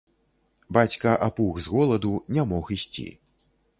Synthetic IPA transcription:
bat͡sʲkɐʔapuɣzɣɔlˠɐd̪unʲamɔxisʲt͡sʲḭ

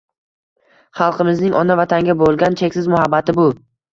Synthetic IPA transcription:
χɑlˠqʰɨmɪznɪŋʔɒnavat̪ʰaŋɡʲabolˠɡʲant͡ʃʰekʲsɪzmʊhabːat̪ɪbʊ

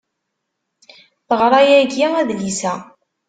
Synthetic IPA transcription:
θəʁɾˤɑjæɡiæðlisæ

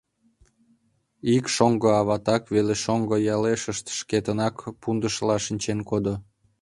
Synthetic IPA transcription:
ikʃoŋɡoɑβɑt̪ɑkβeleʃoŋɡojɑleʃəʃt̪ʃket̪ənɑkpund̪əʃlɑʃinʲt͡ɕenkod̪o

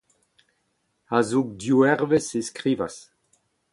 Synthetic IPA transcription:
azuk̚djuɛʁveseskʁiːvas

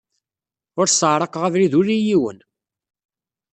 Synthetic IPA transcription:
ʊɾsəʕɾˤɑqʁævliðʊɾijiwə̰n

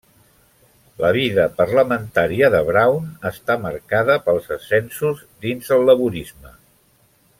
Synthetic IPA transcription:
ləβ̞iðəpərləmənt̪aɾiəðəβɾawnəst̪aməɾkaðəpəlˠzəsɛnsuzd̪inzðəlˠːəβuɾizmə

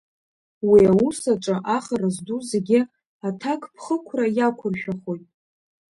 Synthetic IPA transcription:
wiawusaʈ͡ʂʼaʔaχarazduzeɡʲɪ | atʰakʰpʰχəkʷʰrajakʷʰʊrʃᶣaχojtʼ

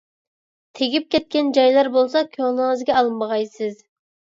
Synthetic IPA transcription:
t̪ʰeɡʲip̚kʲɛt̪̚kʲɛnd͡ʒɑjlˠɑɾbolˠsɑkʲʰøŋlˠəŋəzɡʲɛɑlˠmːəʁɑjsɨz

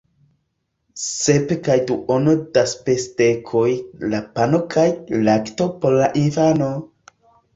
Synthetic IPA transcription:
sepekajduʔonodaspestekʰojlapano̞kʰajlaktopoɾlaʔinfano̞

